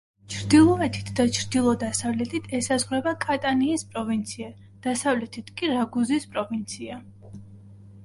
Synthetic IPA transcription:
t͡ʃʰɾd̪ilˠɔɛt̪ʰi̥t̪ʰd̪at͡ʃʰɾd̪ilˠɔd̪asavlɛt̪ʰit̪ʰɛsazʁɾɛbakʼat̪ʼaniːspʼɾɔvint̪sʰia | d̪̥asavlɛt̪ʰit̪ʰkʼiɾaɡuzispʼɾɔvint̪sʰia

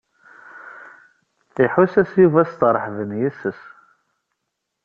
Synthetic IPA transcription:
iħusæsjuvæst̪ɾˤəħvənjisəs

